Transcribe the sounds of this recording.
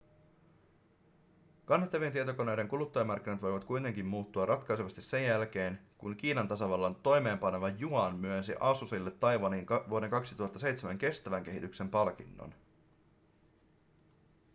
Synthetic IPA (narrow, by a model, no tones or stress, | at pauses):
kɑnhet̪ːɑʋient̪iet̪o̞ko̞ne̞jde̞ŋkulut̪ːɑjɑmɑrk̟ːinɑt̪ʋo̞jʋɑt̪kujt̪e̞ŋk̟immuːt̪ːuɑrʔɑt̪kɑjseʋɑst̪ise̞jjælk̟e̞ːnkuŋk̟iːnɑnt̪ɑsɑʋɑlːɑnt̪o̞jme̞ːmpɑne̞ʋɑjuɑnmyønsḭʔɑsusilːet̪ːɑjʋɑniŋʋuode̞ŋkɑksi̥t̪uɦɑt̪ːɑse̞jt̪semæŋk̟e̞st̪æʋæŋk̟e̞ɦit̪ykse̞mpɑlk̟inːo̰n